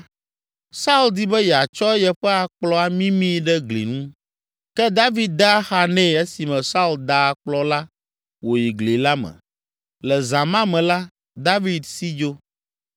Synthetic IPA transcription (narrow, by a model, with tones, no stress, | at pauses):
sa˦u˦ld̪i˦bɛ˦jɛ˨a˨t͡ʃɔ˦jɛ˨ɸɛ˦a˨k͡plɔ˦a˨mĩ˦mĩ˦ɖɛ˦ɡlḭ˨nũ˦ | kɛ˦d̪a˦vi˦d̪̚d̪a˦xa˨nɛ̃˦˨e˦si˨mɛ̃˨sa˦u˦ld̪a˦a˨k͡plɔ˦la˦ | wo˨ji˨ɡli˨la˦mɛ̰̃˨ | lɛ˨zã˨mã˦mɛ̃˨la˦ | d̪a˦vi˦d̪si˦d͡ʒo˦